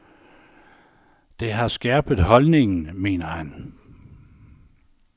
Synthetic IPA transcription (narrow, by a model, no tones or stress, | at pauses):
d̥e̝ɦɑ̈sɡ̥ɛɐːb̥ð̩ˠɦɒ̽lne̝ŋn̩me̝̰ːnɐhæn